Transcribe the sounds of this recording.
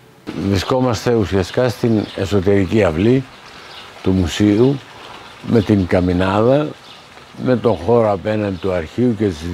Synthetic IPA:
vɾisko̞mɐst̪e̞usiɐst̪i̥kɐst̪ine̞so̞t̪e̞ɾiciɐvli | t̪umusiu | me̞t̪iŋkɐminɐðɐ | me̞t̪o̞xo̞ɾoɐpe̞nɐnd̪it̪uɐɾçiuce̞t̪iz

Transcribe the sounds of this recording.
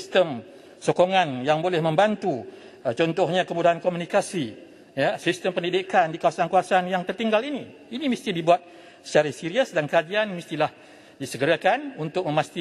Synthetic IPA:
st̪əm | sokoŋanjaŋbolɛhmə̃mbant̪u | t͡ʃɔnt̪ɔhɲakəmudaɦankomunikasi | jasist̪əmpəndidikandikawasankawasanjaŋt̪ərt̪iŋɡalini | inimist̪idibuat̪̚ | sə̥t͡ʃaɾɪsiɾiəsdankəad͡ʒianmist̪ilah | disəɡəɾakanunt̪ʊk̚məmast̪i

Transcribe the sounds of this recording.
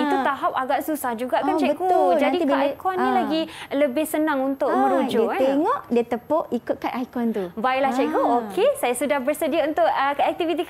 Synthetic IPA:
it̪ut̪aɦap̚aɡaʔsusahd͡ʒuɡaʔkat͡ʃɛkud͡ʒadikaʔajkɔnːĩlaɡiləbɪhsənãŋunt̪ʊʔmə̃ɾud͡ʒoeŋɔʔdiət̪əpoʔikʊt̪̚kanajkɔnt̪ubaiʔlaht͡ʃɛʔkuokʰesajasudahbərsədiaunt̪ʊʔəkəɛk̚t̪ivit̪ik

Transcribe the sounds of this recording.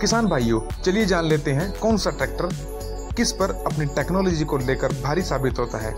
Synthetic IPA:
kɪsaːnbʱaːijoːt͡ʃɐlied͡ʒaːnleːt̪eɦɛ̃kɔːnsaʈɛːk̚ʈəɾ | kɪspɐɾɐpniʈɛːknɔːlɔːd͡ʒikoleːkəɾbʱaːɾisaːbɪt̪ɦoːt̪aɦɛ̰ː

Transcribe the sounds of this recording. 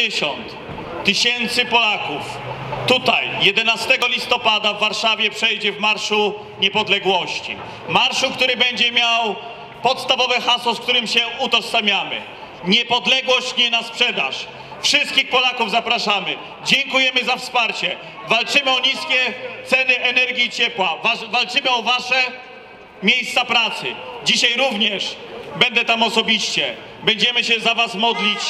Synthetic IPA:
ɛɕɔnt̪ː | ɘɕɛnt̪sɘpɔlakuf | t̪ut̪a̰jjɛd̪ɛnast̪ɛɡɔlʲist̪ɔpad̪avːaɾʂavʲjɛpʂɛjd͡ʑɛvmaɾʂu | ɲɛpɔd̪lɛɡwɔɕt͡ɕḭ | maɾʂukt̪uɾɘbɛɲd͡ʑɛmʲjaw | pɔt̪st̪avɔvɛxaswɔsk̚t̪uɾɘmɕɛut̪ɔsamʲjamɘ̰ | ɲɛpɔd̪lɛɡwɔɕt͡ɕɲɛnaspʂɛd̪a̰ʂ | fʂɨst̪kʲixpɔlakuvzapɾaʂamɘ | d͡ʑɛŋkujɛmɘzafspaɾt͡ɕɛ | valt͡ʂɘmɘɔɲiskʲɛt̪sɛnɘʔɛnɛɾɡʲiːt͡ɕɛpwavavalt͡ʂɘmɘɔvaʂɛ | mʲjejst̪sapɾat̪sɘ̰d͡ʑiɕajɾuvɲɛʂbɛnd̪ɛt̪amɔsɔbʲiɕt͡ɕɛ | bɛɲd͡ʑɛmɘɕɛzavasmɔd̪lʲit͡ɕ

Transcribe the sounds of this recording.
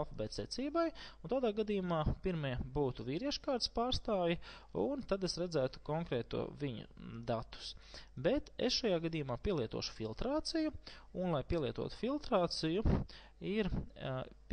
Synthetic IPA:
lˠfabɛt̪sɛt̪siːbajunt̪aːd̪aːɡad̪ijumaːpiɾmiɛbuːt̪uviːɾiɛʃkaːɾt̪spaːɾst̪aːvji | unt̪ad̪esɾæd̪zæːt̪u̥kɔŋkɾɛːt̪ṵɔviɲṵd̪at̪u̥sbet̪ḛsʃajaːɡad̪iːjumaːpʲiɛlˠiɛt̪uɔːʃu̥filˠt̪ɾaːt̪siju | unlˠajpiɛlˠiɛt̪ṵɔt̪u̥filˠt̪ɾaːt̪siju | iɾ

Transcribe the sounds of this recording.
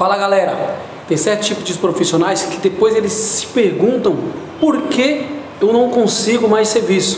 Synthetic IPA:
falɐɡalɛɾɐ | t̪ẽj̃sɛɾt̪ʊ̥t͡ʃipʊd͡ʒɪʊspɾofisionajskɪd̪epojzelɪsːɪ̥peɾɡũnt̪ɐ̃w̃ | poɾke | ewnɐ̃w̃kõsiɡʊmajseɾvisʊ̥

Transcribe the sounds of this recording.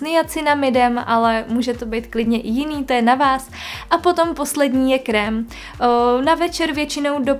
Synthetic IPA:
nɪjat͡sɪnamɪdɛmʔa̰lɛmuːʒɛt̪o̞bɛjt̪klɪdɲɛʔɪjɪniːt̪o̞jɛnavaːs | ʔapo̞t̪o̞mpo̞slɛdɲiːjɛkɾɛm | navɛt͡ʃɛɾvjɛt͡ʃɪno̞wdo̞

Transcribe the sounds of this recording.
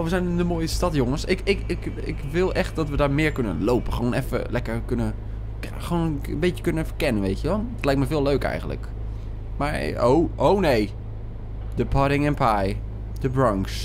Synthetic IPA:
oʋəzɛjnɪnəmoːjəstɑtjʊŋəsɪkɪkɪk | ɪ̰kʋɪlˠʔɛχt̚d̥ɔtʋədaːɹmɪːɹkønə̰nlowpəχʋoːnɛfə̰lɛkəɹkønə | xʋoːnənbejtjə̥kønənɛfəkɛnənʋejtjəʋɔlˠɔtlɛjk̚tmɛfɪːlˠøːkɛ̰jxəndlə̰k | maɹo̰wʔownej | d̥əpʰɔɾɪŋɛnpʰaj | d̥əbrɔŋks

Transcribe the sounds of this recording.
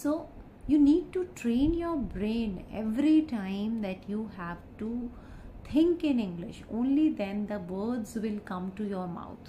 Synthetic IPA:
soː | juːniːɖ̚ʈuʈɾẽːnjɔːɾbɾẽːnḛʋɾiʈãɪ̃md̪æʈjuːɦæʋʈu | t̪ʰɪ̃ŋkɪ̃nɪ̃ŋɡlɪ̰ʃõːnlid̪ɛ̃nd̪əʋəːd̪zʋɪlkʌ̃mʈujɔːɾma̰ʊt̪ʰ

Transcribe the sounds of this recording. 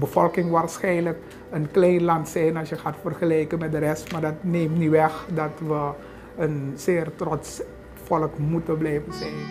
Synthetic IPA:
bəvɔlˠkɪŋʋaːrsxɛjnlək | ənklɛjnlɑntsɛjnɑsjəxaːtfərxəlɛjkənmɛt̚dərɛstmaːrdɑtneːmtniʋɛxdɑtʋə | ənsɪːrtrɔts | fɔlkmutəblɛjvənzɛjn

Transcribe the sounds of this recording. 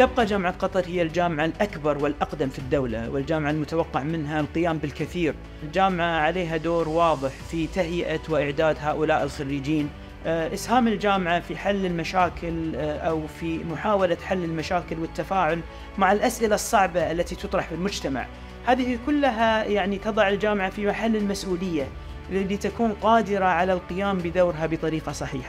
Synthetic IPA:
t̪ɪb̚qɑd͡ʒaːmʕat̪qɑt̪ˤɑɾˤhɪjːald͡ʒaːmɪʕalʔakbɑɾˤwɪlʔɑqd̪amfid̪ːawla̰wɪld͡ʒaːmʕalmʊt̪awɑqːɑʕmɪnɦalqɪjaːmbɪlkɪθiːɾ | ld͡ʒaːmʕaʕaleːɦad̪oːɾwɑːðˤɨħfit̪aɦjɪʔawɪʔɪʕd̪aːd̪ɦaːʔʊlaːʔɪlxaɾːiːd͡ʒiːn | ʔɪshaːmɪld͡ʒaːmʕafiħalːɪlmaʃaːkʰɪlʔawfimʊħaːwalat̪ħalːɪlmaʃaːkɪlwɪt̪ːafaːʕʊl | maʕɪlʔasʔɪlasˤːɑʕbaʔalːat̪it̪ɨt̪ˤɾˤɑħfɪlmʊd͡ʒt̪ama̰ʕ | haːðɪhikʊlːɦajaʕnit̪ɑðˤɑʕɪld͡ʒaːmʕafimaħalːɪlmasʔuːlɪjːa | ɪlːit̪akuːnqɑːd̪ɪɾaʕalalqɪjaːmbɪd̪aːɾɦabɨt̪ˤɑɾiːqɑsˤɑħiːħa

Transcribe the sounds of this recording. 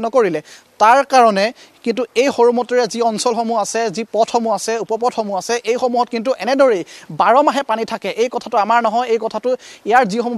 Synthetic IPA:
nɔkoɹilɛ | taɹkaɹɔnɛ | kintuejxoɹumɔtɔɹɛziɔnsɔlxomuasɛzipɔtʰxomuasɛupɔpɔtʰxomuasɛʔejxomuɦɔt̚kint̬uʔɛnɛdɔɹejbaɹɔmaɦɛpanitʰakɛʔejkɔtʰatʊamaɹnɔɦɔjejkɔtʰatʊijaɹzixomu

